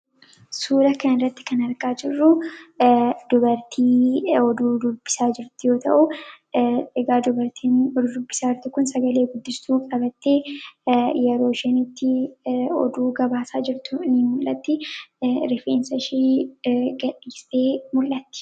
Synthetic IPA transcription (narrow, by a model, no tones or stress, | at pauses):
suːɾɐkɐnɪrːɐt̪ːɪ̥kɐnɐɾɡaːd͡ʒɪrːʊ | d̪̥ʊbɐɾt̪ʰiːɔd̪uːd̪ʊb̥ːɪ̥saːd͡ʒɪɾt̪ːɪjo̞ːt̪ɐ̰ʔʊ | ᶑɛɡaːd̪ʊbɐɾt̪ʰiːnd̪d̪ʊbːɪ̥saːɾt̪ʊkːʊnsɐɡɐle̞ːɡʊd̪ːɪst̪uːkʼɐbɐt̪ːe | jɛɾo̞ːʃɐnɪt̪ːɪɔ̰d̪uːɡɐbaːsaːd͡ʒɪɾt̪ʊɪnɪmʊlːɐt̪ːɪ | ɾɪfeːnsɐʃiːɡɐᶑiːst̪e̞ːmʊlʔːɐt̪ːɪ̥